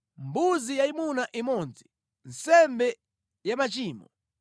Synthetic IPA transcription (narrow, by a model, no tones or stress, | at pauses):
mbuzijaimunaʔimɔnzi | nsɛmbɛ | jamat͡ʃiːmɔ